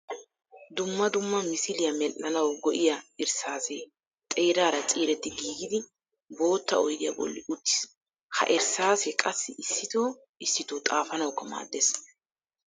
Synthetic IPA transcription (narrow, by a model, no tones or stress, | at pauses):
d̪ʊmːɐd̪ʊmːɐmɪsɪlɪjɐmɛlʔːɐnɐwɡɔʔɪjɐɪɾsaːseː | t̪ʼeːɾaːɾɐt͡sʼiːɾɛt̪ːɪɡiːɡɪd̪ɪ | bo̞ːt̪ːɐ̰ɔjd̪ɪjɐ̰bɔ̰lːɪ̰ʔʊt̪ːɪ̥s | hɐ̰ʔɪɾsaːsekʼɐsːɪɪsːɪt̪oː | ɪsːɪt̪oːt̪ʼaːfɐnɐwkːɐma̰ːd̪ːes